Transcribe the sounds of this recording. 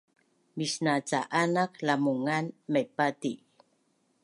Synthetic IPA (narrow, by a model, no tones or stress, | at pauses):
misnat͡saʔanaklamuŋanmejpati